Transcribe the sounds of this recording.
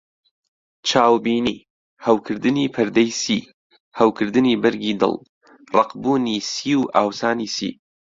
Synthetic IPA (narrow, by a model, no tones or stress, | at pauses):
t͡ʃʰaːwbiːniː | hɐwkʰɨɾd̪ɨnipʰɨɾd̪ɛjsiː | hɐwkʰɨɾd̪ɨniːbɐɾɡiːd̪ɨ̰lˠ | rˤɑqbuːniːsiːwʔaːwsaːniːsḭː